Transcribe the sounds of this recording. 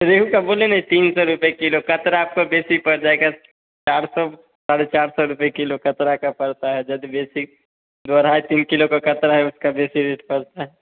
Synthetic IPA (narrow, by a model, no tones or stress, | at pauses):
ɾeːɦukaboːlenaɦĩt̪iːnsɔɾʊpekɪlokɐt̪ɾaːp̚kobeːsipɐɽd͡ʒaːeɡa | t͡ʃaːɾsɔ | saːɽet͡ʃaːɾsɔɾʊpekɪlokɐt̪ɾakapɐɽt̪aɦɛd͡ʒɐd̪beːsi | d̪aɾaːet̪iːnkɪlokakɐt̪ɾaɦɛʊskabeːsiɾeːʈpɐɽt̪aɦɛ